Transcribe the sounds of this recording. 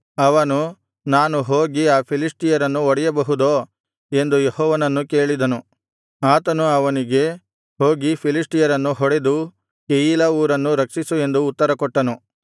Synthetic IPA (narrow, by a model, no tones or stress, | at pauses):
ɐʋɐnu | naːnuɦo̞ːɡiaːpʰilisʈijɐɾɐnːuɔɽɛjɐbɐɦud̪oː | e̞nd̪ujehɔːʋɐnɐnːuke̞ːɭid̪ɐnu | aːt̪ɐnuɐʋɐniɡe̞ | ɦoːɡipʰilisʈijɐɾɐnːuɦɔɽe̞d̪u | kejiːlɐuːɾɐnːuɾɐkʂisue̞nd̪uːt̪ːɐɾɐkɔʈːɐnu